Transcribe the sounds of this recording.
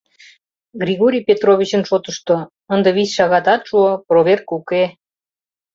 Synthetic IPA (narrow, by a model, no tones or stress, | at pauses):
ɡɾʲiɣoɾʲijpʲet̪roβʲit͡ɕənʃot̪əʃt̪o | ənd̪ə̆βisʲʃɑɣɑt̪ɑt̪ʃuoproβʲerkuke